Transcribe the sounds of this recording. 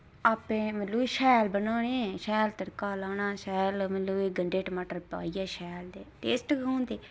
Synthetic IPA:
aːpẽːmət̪ləiʃɛːlbənaːɽ̃ẽʃɛːlt̪əɾkaːlaːnaːʃɛːlmət̪ləːiːɡəɳɖeːʈəmaːʈəɾpa̰ːiːɛːʃɛːld̪eːʈeːsʈkãːnd̪eː

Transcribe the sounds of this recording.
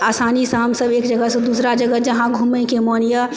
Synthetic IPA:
asanisãɦəmsəbeːkd͡ʒəɡəsə̃d̪usɾad͡ʒəɡəd͡ʒəɦãɡʱumẽkemɔnjə

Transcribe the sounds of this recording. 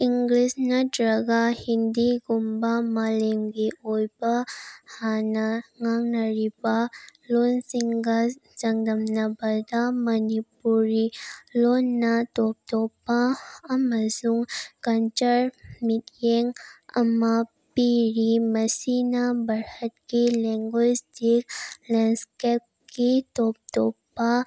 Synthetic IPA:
iŋɡlisnadɾɐɡahind̪iɡumbamalemɡeojbahanaŋaŋnɐɾibalonsiŋɡasɐŋd̪ɐmnabɐd̪amɐnipuɾilonːat̪op̚t̪opaɐməzuŋkɐnt͡ʃəɾmiʈjeŋɐ̰ma | piɾimɐsinabɐɾhət̪̚kilɛŋɡwesd̪iklɛnskep̚ | kit̪op̚t̪opa

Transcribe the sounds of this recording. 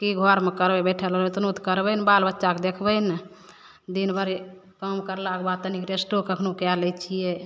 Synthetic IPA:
kiɡʱɔɾmekəɾbebɛʈʰələet̪nut̪kəɾbənbalbətːʃaked̪ekʰbən | d̪inbəɾ | kəmkəɾlakbat̪ənikɾesʈokəkʰnukjaləjt͡ʃʰije

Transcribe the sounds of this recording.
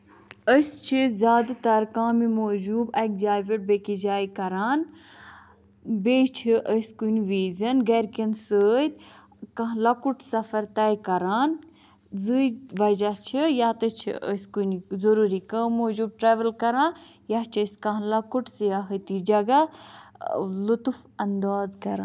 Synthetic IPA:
əst͡ʃʰizʲjaːd̪t̪ɐɾkaːmimoːd͡ʒuːbɐk̚d͡ʒaːjʋeʈ̚bekid͡ʒaːikɐɾaːn | beːt͡ʃʰiʔəskunʋiːzɐnɡɐɾkinsəːt̪ | kɐ̃ɦlɐkuʈsɐfɐɾt̪ɐjkɐɾaːn | zɨjʋɐd͡ʒat͡ʃʰijaːt̪ət͡ʃʰḭʔə̰skunzɐɾuːɾikəːmːoːd͡ʒuːb̚ʈɾeːʋɐlkɐɾãːn | jat͡ʃʰɐskɐ̃ɦlɐkuʈsɨjaɦət̪id͡ʒɐɡa | lut̪ufɐnd̪aːzkɐɾa̰ː

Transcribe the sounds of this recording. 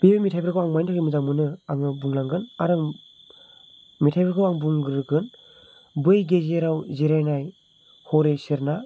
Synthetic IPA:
bibemitʰajbeɾkʰawaŋmajntʰakɾimɯzaŋmɯnɯaŋɯbuŋlaŋɡɯnaɾaŋ | mitʰajbeɾkʰɯwaŋbuŋɡɯɾɯɡɯn | bɯjɡezeɾawziɾajnaj | hɔɾesiɾna

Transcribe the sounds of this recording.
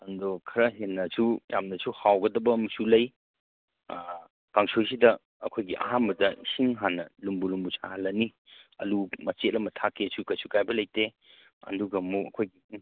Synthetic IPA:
ɐndokʰɐɾɐɦenːɐsujamnɐsuhawɡɐdɐbɐmɐsulɐj | kaŋsojsidɐ | ɐ̰kʰojɡiʔɐ̰ɦanbɐdɐsiŋɦanːɐlumbulumbusʰalɐni | ɐ̰dumɐt͡ʃetlɐmɐtʰakːeɐsukɐjsukajbɐlɐjte | ɐ̰duɡɐmuɐkʰojɡi

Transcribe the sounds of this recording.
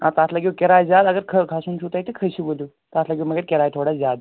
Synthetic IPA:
ãt̪aslaɡʲewkʲeɾajzjad̪əɡəɾkʰəkʰasuːnt͡ʃʰut̪ajt̪ikʰəɕibolju | t̪aːslaɡʲiməɡeɾkʲeɾaːjt̪ʰoɽazjad̪

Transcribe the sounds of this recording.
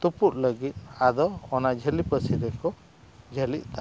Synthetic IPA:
t̪upuʔ̚ləɡit̪̚ad̪ɔːnad͡ʒʱəlipəsiɾɛkɔ | d͡ʒʱəliʔ̪̚t̪a

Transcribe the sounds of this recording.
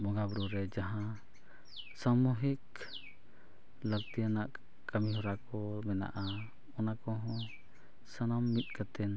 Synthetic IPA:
mɔɡabɾuɾɛd͡ʒaɦã | samuɦik | ləkt̪ijanaʔ | kamiɦɔɾakɔmɛna̰ʔa | ɔnakɔɦɔ̃ | sanamːit̪̚ˀkat̪ɛn

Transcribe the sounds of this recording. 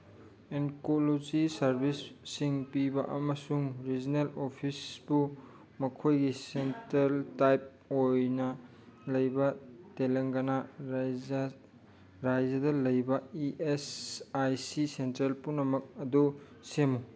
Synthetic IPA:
enkolod͡ʒisɐɾbʱisːiŋpibɐʔɐmɐsuŋɾid͡ʒinelopʰisbu | mɐkʰojɡisentɾeltajp̚ | ojnɐ | lɐjbɐteleŋɡɐnɐ | ɾajzɐdɐlɐjbɐiʔesajsisentɾelpunɐmɐk̚ɐdu | semu

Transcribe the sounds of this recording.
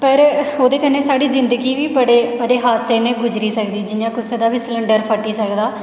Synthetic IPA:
pəɾoːd̪eːkəneːsaːɖiːzɪnd̪əɡiːʋiːbəɽeːbəɽeːɦaːt̪seːnẽːɡʊd͡ʒɾiːsəkd̪iːd͡ʒɪjãːkʊseːd̪aːbiːsləɳɖəɾpʰəʈːiːsəkd̪aː

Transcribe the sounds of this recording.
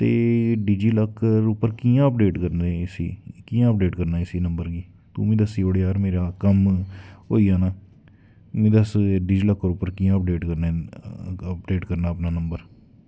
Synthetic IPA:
t̪eːɖiːd͡ʒiːləkʰːɾʊpəɾkiːãːəpɖeːʈkəɾneɪsḭːkiːãːəp̚ɖeːʈkəɾnaːɪsiːnəmbəɾɡiː | t̪ṵ̃ːmĩːd̪əsiːoːɽeːaːɾmeːɾaːkəmɦoːiːaːnaː | mẽːd̪əsɖiːd͡ʒiːləkʰːəɾʊpːəɾkiːãːəp̚ɖeːʈkəɾnaɛ | əp̚ɖeːʈkəɾnaːəpnaːnəmbəɾ

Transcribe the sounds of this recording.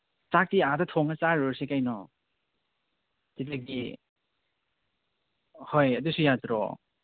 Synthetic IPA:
t͡ʃak̚tiadɔtʰɔŋat͡saɾoɾsekajnɔ | titaɡi | hojɐdusujat̪ɾɔ̰

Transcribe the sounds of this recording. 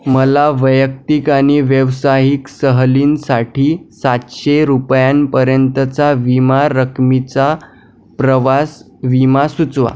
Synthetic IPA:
məlaʋəjək̚t̪ikaɽ̃iʋjəʋsaɦiksəɦliːnsaʈʰiːsat̪ɕeɾupjanpəɾjənt̪ət͡saʋimaɾəkʰmit͡sa | pɾəʋas | ʋimasut͡sʋa̰

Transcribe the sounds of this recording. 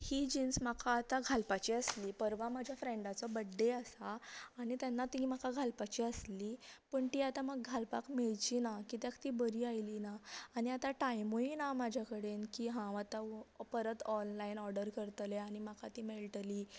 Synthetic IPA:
hiːd͡ʑinsmakʰaːt̪aɡʱalpat͡ɕiːəsliːpəɾʋamad͡ʑʱjafɾẽɳɖat͡sɔbəɖːeasaːɽ̃it̪janːat̪imakaɡʱalpat͡ɕiːəslipəːɳt̪iːat̪aməɡɡʱalpakmeɭt͡ɕinakit̪jakt̪iːbəɾiːajlinaːɽ̃iat̪aʈajmoinamad͡ʑʱjakəɽenkiːɦãat̪apəɾət̪ɔnlainɔɾɖəɾkəɾt̪leaɽ̃imakʰat̪iːmelʈliː

